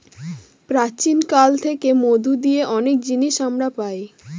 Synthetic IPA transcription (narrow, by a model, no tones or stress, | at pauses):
pɾat͡ɕinkalt̪ʰekemod̪ud̪ijeʔɔnek̚d͡ʑiniʃamɾapae